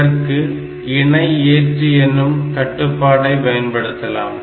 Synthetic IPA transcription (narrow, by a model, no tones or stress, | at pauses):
ɐrkɯ | ɪɳɐɪeːʈriɛnːɯmk̪ɐʈːɯpːaːɽɐɪʋɐjɐnpɐɽɯt̪ːɐla̰ːm